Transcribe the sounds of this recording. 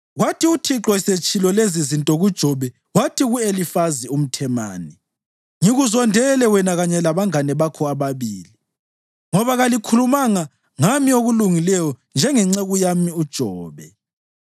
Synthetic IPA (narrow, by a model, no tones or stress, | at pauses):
ɣwatʰiutʰiǁɔiset͡ʃʰʼilɔlezizintʼɔɣud̥ʒ̥ʱɔβɛ | watʰiɣuelifazium̩tʰɛma̰ːni | ŋiɣuzɔndʱɛlɛwɛnaɣaɲɛlaβaŋanɛβakʰɔaβaβiːli | ŋɔβaɣalikʰulumaŋa | ŋamioɣuluŋilɛjɔnd͡ʒʱɛŋɛŋ͡ǀeɣujamiud̥ʒ̥ʱɔːβɛ